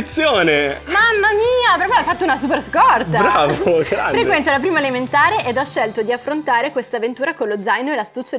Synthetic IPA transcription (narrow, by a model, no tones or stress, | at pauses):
t̪sːjoːnemamːamiːapeɾɔkːaajfat̪ːounasup̬erskɔrt̪aɾaːvoɡɾaafɾekwɛnt̪olap̬ɾiːmaelement̪aːɾeʔɛd̪ɔʃːɛlt̪od̪iafːɾont̪aːɾekwest̪avent̪uːɾakonlod̪zajnoelast̪ut͡ʃːo